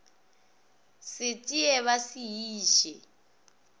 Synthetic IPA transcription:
sɪtʼiɛβasiɦiːʃɛ

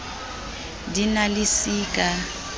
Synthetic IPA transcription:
dinalisiːkʼa

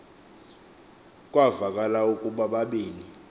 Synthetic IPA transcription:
kʼwavakʼalaukʼuɓaɓaɓeːni

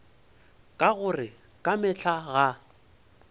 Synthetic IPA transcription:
kʼaɣʊrɪ | kʼamɪɬʰaɣa

